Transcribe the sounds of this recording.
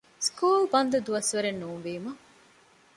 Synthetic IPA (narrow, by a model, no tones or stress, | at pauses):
skuːlbɐnd̪ɐd̪uɐsʋɐɾenːuːnʋiːmɐ